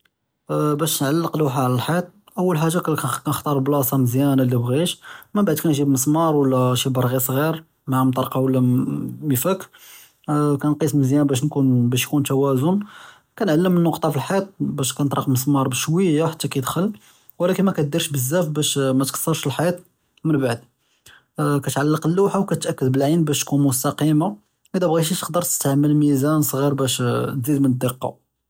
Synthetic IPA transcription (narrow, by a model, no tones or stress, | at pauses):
bæʃnʕalːəqlwaħʕlælħit̪̚ˤ | ʔəwːəlħaʒːakkænəxt̪ˤɑɾˤblɑsˤɑməzjænlːibɣiʃmæbaʕd̪̚kænʒibməsmɑɾˤwəlːæʃibəɾˤɣisˤɣiɾ | maʕamt̪ˤɑɾˤqɑwəlːæməfəkː | kænqisməzjænbæʃ̬nkunbæʃjkunt̪æwæzʊn | kænʕalːəmːənːoqt̪ˤɑfilħit̪̚ˤbæʃkænət̪ˤɾˤɑqməsmɑɾˤbəʃwəjːaħat̪ːækæjəd̪xəlː | wlækənmækæd̪iɾʃbəzːæfbæʃmæt̪kɑ̥sˤːɑɾˤʃəlħajæt̪ | mənbaʕd̪ | kæt̪ʕalːəqəlːuħawkæt̪ʔækːəd̪bəlʕinbæʃt̪kunmʊst̪ɑqima | ʔəd̪æbɣiʃ̬it̪ə̥qd̪əɾˤt̪ə̥st̪ʕamːəlmizænsˤɣiɾbæʃt̪zid̪mənəd̪ːəqːɑ̰